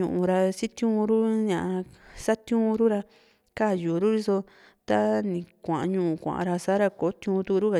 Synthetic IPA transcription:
ṵ̃˧ʔũ˨ɾa˧si˦t̪jũː˦˧ɾu˦ɲã˧˨a˧sa˦t̪jũː˦˧ɾu˦ɾa˧ | ka˦˨juː˨ɾu˦ɾi˦so˧ | t̪a˦nĩ˨kʷã̰˨ʔã˧ɲũ˧˨ũ˧˨kʷã̰˨ʔã̰˨ɾa˧sa˦ɾa˧ko˨˦t̪jũː˧t̪u˧ɾu˦ka˨

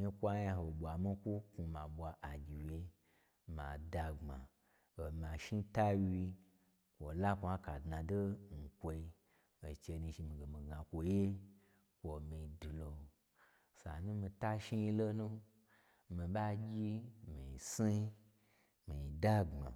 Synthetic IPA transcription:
i˦kʷa˦ja˧ɦo˨ɓʷa˨mi˦kʷu˦ku˧ma˨ɓʷa˧ʔa˨ɡʲi˨we˧ | ma̰˨da˧ŋ͡ma̰˨ | o˨ma˨ʃi˦ta˦wi˧ | kʷo˨la˦kʷa˦ka˨dna˨do˦ŋ̩˨kʷo˧i˧ | o˨t͡ʃe˧nĩ˧ʃi˧mi˨ɡe˨mi˨ɡa˨kʷo˧je˦ | kʷo˨mi˧˨du˨lo˧ | sa˨nũ˦mi˧ta˦ʃi˦ji˧lo˦nu˦ | mi˧ɓa˦ɡʲi˦mḭ˨i˨si˦ | mi˨i˨da˦ɡ͡ba̰˨

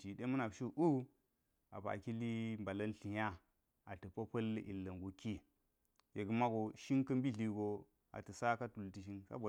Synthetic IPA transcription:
ti˨ɗe˦mu˦na˨bʃi˦ʔu˦ | a˨pa̰˨ki˦li˦mba˨lɐ˦nɬi˨ja˦ | a˨tə˨pɐ˦pɐ˦lḭ˨lːɐ˨ŋɡo˨ki˦ | je˨ɡə˨˦ma˦ɡo˨ʃi˦ŋkɐ˦mbi˦ɮi˨ɡo˨ | a̰˨tə˨sa˦ka˦tu˨lti˨ʃ̬i˦nsa̰˦bo˨

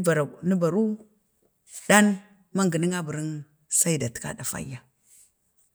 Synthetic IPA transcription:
ni˦ba˨ɾu˦ | ɗa˦n | ma˦ŋɡə˨ni˦ŋa˦bə˨ɾi˦n | sa˦i˦da˨ti̥˨ka̰˦da˨fa̰˦jːa˨

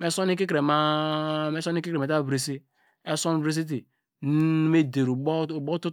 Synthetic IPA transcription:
me˦so˦ni˦ki˦ke˨ma˦me˦so˦ni˦ki˦ɾe˨e˨ta˦˨bɾe˨si˦ | e˦so˦n˦bɾe˦s̬i˦t̬i˨˦ | me˦de˨ɾu˨˦˨bo˦tu˦

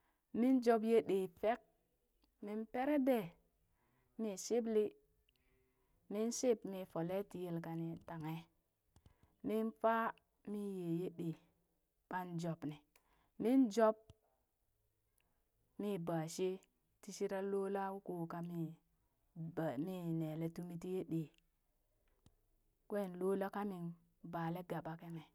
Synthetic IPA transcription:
mi˦nd͡ʒo˦b̬je˦ɗe˨fe˦k̚ | mi˦npe˦ɾe˦de˨ | mi˨si˦bli˦ | mi˦nsi˦pmi˧fo˨le˦ti˨je˨lka˨ni˨ta˨ŋe˨ | mi˦nfa˦ | mi˦je˨je˦ɗe˨ | ɓ̥a˦nd͡ʒo˨bni˨ | mi˦nd͡ʒo˦p̚ | mi˦ba˨ʃe˦ | ti˦ʃi˦ɾa˦lo˦la˦wu˦ko˨ka˨mi˦˨ | mi˦ne˨le˦tu˦mi˦ti˦je˦ɗe˨ | kʷe˦˨nloː˦la˦ka˦mi˨n | baː˨le˦ɡa˨ɓa˨ke˦ŋe˨

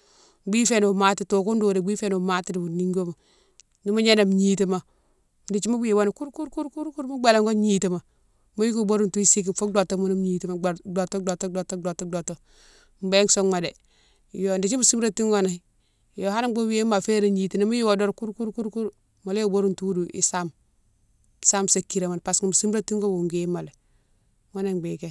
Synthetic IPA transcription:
ɡ͡bi˦fe˨n˨ma˦ti˨to˨ku˦ndoː˨de˨ɡ͡bi˦fe˦no˨ma˦ti˦di˨bu˨ni˦ŋɡo˦ma˨ | ni˦ma˦ɲe˦na˨m˨ɲi˨ti˦˨ma˨ | ndi˨t͡ʃi˦mu˦wi˦˨wa˦na˨ku˦ɾku˦ɾku˦ɾku˦ɾku˦ɾmu˦ɡ͡be˨la˨ŋɡo˦ɲi˦ti˨ma˨ | mo˦ji˦ku˦bo˦ɾu˨ntu˦i˦si˦k̬i˨fo˦do˨to˦mu˨ni˦m˦ɲi˨ti˦ma˨do˨to˦do˨to˦do˨to˦do˨to˦do˨to˦ | m˦be˦ŋso˦ma˨de˨ | jo˨ndi˨t͡ʃi˦mu˨si˦mɾa˦ti˦ŋɡo˦na˨˦ | jo˨ha˦na˦ɡ͡bo˦we˦ma˨fe˦ɾe˨ɲi˨ti˨na˨mo˦ji˦wo˨do˦ɾku˦ɾku˦ɾku˦ɾku˦ɾ | mo˨le˦jo˦˨bo˦ɾu˦ntu˦du˨ʔḭ˨sa˦m˨ | sa˦mse˨kːi˨ɾa˨ma˨npa˨sŋu˨mu˨si˦mɾa˦ti˦ŋɡo˦wu˨ŋɡe˦ma˨le˨ | ŋo˦ne˨ŋɡ͡be˨ke˦

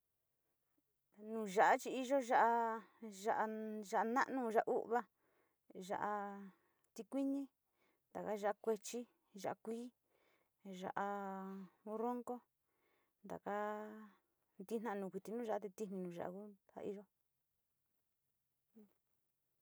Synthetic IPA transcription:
nũː˨˧˨ʒa˨ʔa˦t͡ʃi˧i˦ʒo˦ʒa˦ʔa˧ʒa˧ʔa˧ʒa˧ʔa˧nã˦ʔnũ˧ʒa˧ʔa˧u˦ʔβa˧ | ʒa̰˧ʔa˧ | t̪i˧kʷi˦ɲĩ˦ | nd̪a˨ka˦ʒa˦a˧kʷe˧t͡ʃi˦ | ʒa˧ʔa˧kʷiː˦ | ʒa˧ʔa˧ | u˧ro˦ŋko˦ | nd̪a̰˨ka˦ | nd̪i˦nã˧nũ˨kʷi˧t̪i˧nũ˦ʒa˧ʔa˦t̪e˧t̪i˦nĩ˧nũː˨ʒa̰˨ʔa̰˧ku˦ha̰˧i˦˧ʒo˦˧

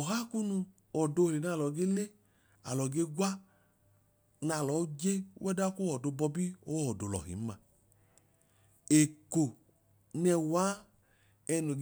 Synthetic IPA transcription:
ɔ˨ɦa˦ku˦nu˧ | ɔ˨do˧˨le˨na˧˨lɔ˨ɡe˦le˦ | a˨lɔ˨ɡe˧˦ɡwa˦ | na˧˨lɔ˨˦d͡ʒe˦wɛ˦da˦ku˦ɔ˨do˧bɔ˧bi˦o˦ɔ˨do˨lɔ̰˨ɦḭ˨˦ma˧ | e˨ko˨ | nɛ˧waː˨˦ | ɛ˧no˨ɡ

